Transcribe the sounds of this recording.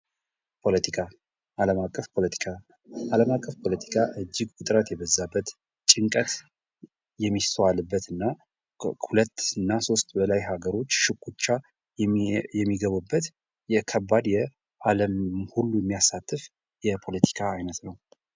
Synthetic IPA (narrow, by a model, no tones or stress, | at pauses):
pʰo̞lət̪ʰikʰa | ʔaləmakʼːəfpʰo̞lət̪ʰi̥kʰa | ʔaləmakʼːəfpʰo̞lət̪ʰi̥kʰaʔɨd͡ʒːiɡwɨt̪ʼɾət̪jɛbəzːabːət̪ | t͡ʃʼɪŋkʼət̪ | jɛmːist̪ʰəwalɨbːət̪ɨnːa | hulət̪ːɨnːaso̞st̪ʼbəlajhaɡəɾo̞t͡ʃːʃɨkʼːut͡ʃːa | jɛmːiɡəβubːət̪ | jɛkʰəbːad̪jɛ | ʔaləmhulːujɛmːijasːat̪ːɨf | jɛpʰo̞lət̪ʰi̥kʰaːjnət̪nəw